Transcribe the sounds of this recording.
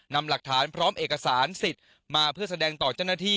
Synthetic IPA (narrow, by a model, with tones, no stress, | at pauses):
na˧mla˨˩k̚t̪ʰaː˩˦npʰɾɔː˦˥mʔeː˨˩ka˧saː˩˦nsi˨˩t̪̚ | maː˧pʰɯ˥˩ɐsa˧dɛː˧ŋt̪ɔː˨˩t͡ɕaː˥˩wna˥˩t̪ʰiː˥˩